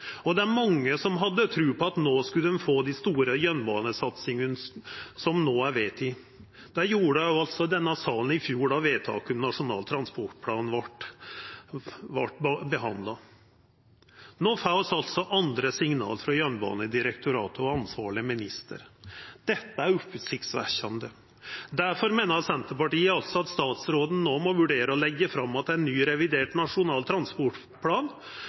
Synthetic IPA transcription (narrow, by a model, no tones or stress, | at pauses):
ɔd̪ɛæɾmɑŋːəsɔmɦɑd̪ːət̪ʰɾʉːpʰɔɑt̪noːskʉld̪ɛnfoːd̪ɪst̪uːɾəjœnbɑːnəsɑt̪sɪŋənsɔmnoːæɾʋeːt̪ɪ | d̪̥æɾjuːɖəʊɑlt̪sɔd̪ɛnːəsɑːln̩ɪfjuːɖɑʋeːt̪ʰɑ̰ːkəmnɑʂʊnɑ̰ːlt̪ʰɾɑnspɔʈpʰlɑːnn̩ʋɑʈ | ʋɑ̰ʈːbəɦɑnd̪lɑ | noːfaʊsɑlt̪sɔʔɑnd̪ɾəsɪŋnɑ̰ːlfɾɑjœnbɑ̰ːnəd̪ɪɾəkt̪ʰʊɾɑ̰ːt̪əɔɑnsʋɑːɭɪəmɪnɪst̪ʰə̰ɾd̪̥ɛt̪ːəæɾʉpʉːt̪sɪk̚t̪sʋæ̰çɑnd̪ə | d̪æɾfɔɾmeːnəɾt̪sɛnt̪əɾpɑʈiːəɑlt̪sɔɑt̪st̪ɑːt̪sɾoːd̪n̩noːmɔʋʉɖeːɾəɔlɛɡːəfɾɑmːɑt̪̚d̪ɛænnːyːɾɛʋɪd̪eːʈnɑʂʊnɑːlt̪ʰɾɑnspɔʈ | pʰlɑːn